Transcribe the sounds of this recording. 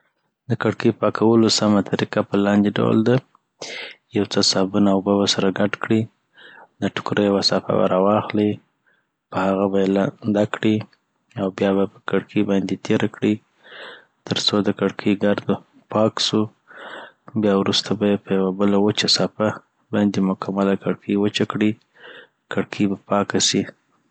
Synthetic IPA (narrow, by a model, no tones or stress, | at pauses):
d̪əkaɽkəpɑkʰawəlosamat̪ʰaɾiqapəlɑnd̪eɖa̰w̰ld̪a | jawt͡səsɑbunaːwbabasaɾaɡaʈkɽi | d̪əʈʊ̥kɾəjwasɑfa̰ba̰ɾɑwɑxli | pəhaɣabajeland̪akɽi | awbjɑbapə̥kaɽkʰibɑnd̪et̪ʰeɾakɽi | t̪əɾt͡sod̪əkaɽkʰiɡaɾd̪o | pɑksu | bjɑwɾust̪ʰabajepəjawabəlawət͡ʃasɑpa | bɑjnd̪emʊkʰamalakaɽkʰiwət͡ʃakɽi | kaɽkʰibapɑkasi